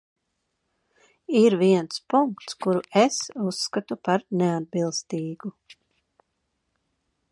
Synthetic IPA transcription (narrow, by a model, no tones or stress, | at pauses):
iɾviɛnspuŋkt̪skuɾuesusːkat̪upaɾnead̪̚bilˠst̪iːɡ̥u